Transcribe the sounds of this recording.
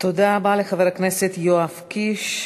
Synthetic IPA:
t̪od̪abaleχaveɾakneset̪joafkiʃ

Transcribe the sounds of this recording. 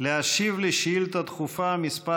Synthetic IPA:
leaʃivleʃiilt̪at̪χufamispa

